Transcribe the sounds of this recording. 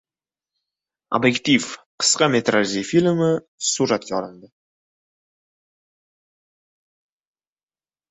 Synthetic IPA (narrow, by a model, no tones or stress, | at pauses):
o̰bjekt̪ʲifqə̥sqɑmʲet̪rʔazʲifilʲmə | suɾɑt̪jɒɾənd̪ə